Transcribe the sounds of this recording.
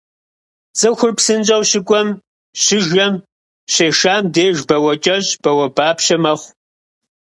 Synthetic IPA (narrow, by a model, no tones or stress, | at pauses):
t͡sʼɨxʷʊrpsɨnt͡ʃʼɐwɕɪkʷʼɔm | ɕɪʒɐm | ɕeːʃaːmdeːʒbɐwɐt͡ʃʼɐɕb̥ɐwɐbaːpɕɐmɐχʷ